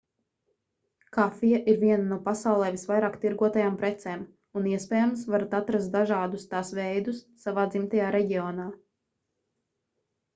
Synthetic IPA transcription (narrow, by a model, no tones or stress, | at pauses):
kafijaʔiɾviɛnanuɔpasawlˠɛːvisvajɾaːkt̪iɾɡuɔt̪ajaːmpɾɛt̪sɛːm | uniɛspɛːjamsvaɾat̪at̪ɾast̪̚d̪aʒaːd̪ust̪aːsvɛjd̪usːavaːd̪zimt̪ajaːɾɛɟiɔnaː